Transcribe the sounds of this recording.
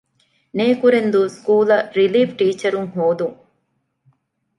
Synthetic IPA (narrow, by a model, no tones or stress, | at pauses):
neːkuɾend̪uskuːlɐɾiliːfʈiːt͡ʃɐɾuŋɦoːd̪uŋ